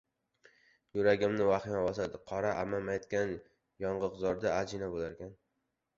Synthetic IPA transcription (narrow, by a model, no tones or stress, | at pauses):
jʊɾaɡʲɪmnɪvaχɪmɒbɒsad̪ɪqʰɒɾaʔamamajɒt̪kʲan | jɒɴʁɨqzɒɾd̪aad͡ʒɪnabolaɾkʲan